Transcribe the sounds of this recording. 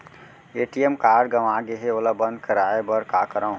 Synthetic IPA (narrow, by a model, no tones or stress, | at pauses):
eʈijemkaːɖɡəʋaɡeɦeoːlabə̃nd̪̚kəɾaebəɾkakəɾã